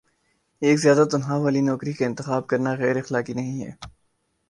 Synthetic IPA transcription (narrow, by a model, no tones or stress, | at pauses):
eːkzijaːd̪at̪ɐnɦaʋaːlinɔːkɾikaɪ̃nt̪ɪxaːb̚kɐɾnaɣɛːɾɪxlaːkinɐɦĩɦɛ̰ː